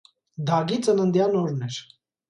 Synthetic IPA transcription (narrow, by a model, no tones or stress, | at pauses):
d̪ʱɑɡit͡sənənd̪jɑnɔɾnɛɾ